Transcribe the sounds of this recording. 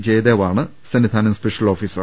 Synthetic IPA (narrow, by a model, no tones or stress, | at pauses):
d͡ʑeːjd̪eːʋaːɳɨsɐnid̪ʱaːnɐmspeʂɐlo̞ːfiːsɐr